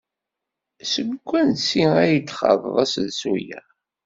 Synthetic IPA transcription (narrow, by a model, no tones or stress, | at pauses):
səɡkʷːænsiæjət͡sːχɑ̰ðˤðˤæsðsujæ̰